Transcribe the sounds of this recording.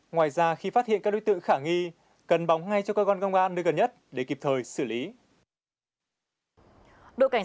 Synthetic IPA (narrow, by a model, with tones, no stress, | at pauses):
ŋwaː˨˩jzaː˧xi˧faː˦˥t̚hḭ˧˨nkaː˦˥k̚o˨˦jt̪ɨ̰˧˨ŋxaː˧˩ŋi˧ | kə˨˩nɓa˨˦wŋ͡mŋa˧jt͡ɕɔ˧kəː˧kɔ˧nkə˧wŋ͡mʔaː˧nːɨː˧jɣə˨˩nɲə˦˥t̚ɗe˧˩ki˨˩p̚t̪ʰəː˨˩jsɨ˧˩li˨˦ | ɗo̰˧˨ka˧˩ŋ